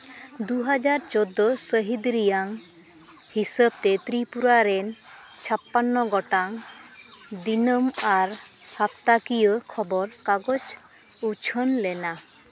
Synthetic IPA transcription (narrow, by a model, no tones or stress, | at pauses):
d̪uɦad͡ʒaɾt͡ʃɔd̪ːɔsəɦid̪ɾijaŋ | hisəb̚t̪ɛt̪ɾipuɾaɾɛnt͡ʃʰapːanːɔɡɔʈaŋ | d̪inəmaɾ | hapt̪akijəkʰɔbɔɾkaɡɔd͡ʒ | ut͡ʃʰənlɛna